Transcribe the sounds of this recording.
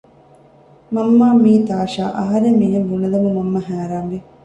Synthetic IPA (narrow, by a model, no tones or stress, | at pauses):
mɐmːaːmiːt̪aːʃaːʔɐɦɐɾeminɐʋunɐlɐmumɐmːɐɦæːɾaːmʋi